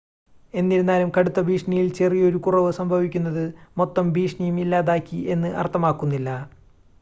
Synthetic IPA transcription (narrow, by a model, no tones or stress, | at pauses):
e̞nːiɾunːaːlumkɐɽut̪ːɐbʱiːʂɳijilt͡ɕe̞rijo̞ɾukurɐʋɨsɐmbʱɐʋikʲːunːɐðɨmo̞t̪ːɐmbʱiːʂɳɐjumilːaːðaːkʲːie̞nːɨʔɐ̰rt̪ʰːɐmaːkːunːilːɐ